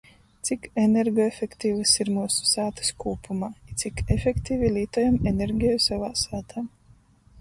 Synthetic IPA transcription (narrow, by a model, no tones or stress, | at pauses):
t̪sikeneɾɡoefʲekt̪iːvɨsiɾmuːsu̥saːt̪ɨ̥skuːpʰumaːit̪sikefʲekt̪iːvʲilʲiːt̪ɔjamenʲeɾɡʲijsavaːsaːt̪ʰaː